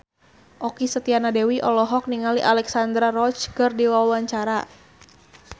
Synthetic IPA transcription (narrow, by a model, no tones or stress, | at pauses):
ʔɔkisət̪ianadɛwiʔɔlɔɦɔk̚niŋaliʔalɛksand̪ɾarɔt͡ʃkərdiwawaɲt͡ʃaɾa